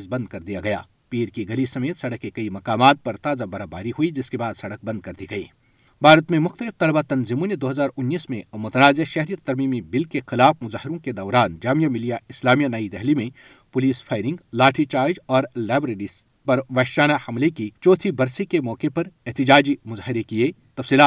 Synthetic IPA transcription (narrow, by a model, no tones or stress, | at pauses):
zbɐ̃nd̪̚kɐɾd̪ijaɡɐja̰ː | piːɾkiɡɐlisɐmeːt̪sɐɽəkːekɐimɐkaːmaːt̪̚pɐɾt̪aːzabɐɾaːbaːɾiɦuid͡ʒɪskebaːd̪sɐɽək̚bɐ̃nd̪̚kɐɾd̪iɡɐḭː | bʱaːɾət̪mẽmʊxt̪əlɪft̪ɐlbat̪ɐnzimũned̪oːɦɐzaːɾʊnːiːsmẽmʊt̪ɐnaːzeʃɛɦɾijət̪ɐɾmiːmibɪlkexɪlaːfmʊzaːɦɪɾõked̪ɐːɾaːnd͡ʒaːmijamɪlijaɪslaːmijanɐid̪ɛɦlimẽ | pʊliːspʰaːɪɾɪ̃ŋɡlaːʈʰit͡ʃaːɾd͡ʒɔːɾlaːbɾeːɽis | pɐɾʋɐʃaːnahɐmlekit͡ʃɔːt̪ʰibɐɾsikemɔːkepɐɾɪɦt̪ɪd͡ʒaːd͡ʒimʊzaːɦɪɾekiet̪ɐfsiːlaːt̪